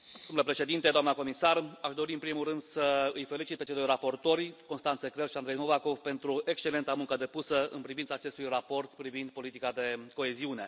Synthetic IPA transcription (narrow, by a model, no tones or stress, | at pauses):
d̪omulepɾe̞ʃe̞d̪int̪e̞d̪oamnəko̞misaraʃd̪o̞ɾiɨnpɾimulrɨnd̪səɨjfe̞lit͡ʃit̪̚pe̞t͡ʃejd̪o̞jrapo̞rt̪o̞rʲko̞nst̪ant̪sekɾelʃiand̪ɾejno̞vako̞vpe̞nt̪ɾue̞kst͡ʃe̞le̞nt̪amuŋkəd̪e̞pusəɨ̰npɾivint̪saːt͡ʃe̞st̪ujrapo̞rt̪pɾivind̪̚po̞lit̪ikad̪e̞ko̞e̞ziune̞